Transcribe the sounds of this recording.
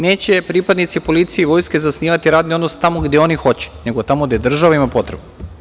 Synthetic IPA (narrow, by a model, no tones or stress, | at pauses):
ne̞ːt͡ɕe̞pɾiːpad̪nit̪sipo̞lit̪sijeiʋo̞jske̞zasniːʋat̪iɾaːd̪nio̞d̪nost̪amoɡd̪jeo̞nixo̞t͡ɕe̥ne̞ɡot̪amoɡd̪ajed̪r̩ʒaʋaimapo̞t̪ɾebu